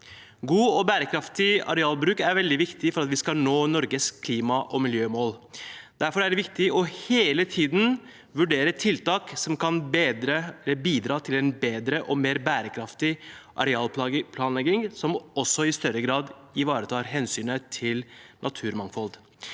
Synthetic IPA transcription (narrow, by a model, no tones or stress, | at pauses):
ɡuːɔbæːɾəkʰɾɑft̪ɪɑ̰ɾɛɑːlbɾʉːkæɾʋɛld̪ɪʋɪkt̪ɪfɔɾɑt̪ʋɪskɑnoːnɔɾɡəskʰliːmɑʔɔmɪljøːmoːld̪̥æɾfɔɾæɖɛʋɪkt̪ɪɔheːlət̪ʰiːd̪n̩ | ʋʉɖeːɾət̪ʰɪlt̪ɑːksɔmkʰɑnbed̪ɾəɛlːəbiːd̪ɾɑːt̪ʰɪlɛnbeːd̪ɾəʔɔmeːɾbæːɾəkʰɾɑft̪ɪʔɑ̰ɾɛɑːlpɑpʰlɑːnlɛɡɪŋsɔmɔsːɔɪst̪œɾəɡɾɑːd̪ | ɪʋɑːɾət̪ʰɑːɾɦɛnsyːnət̪ʰɪlnʔɑt̪ʰʉːɾmɑŋfɔld̪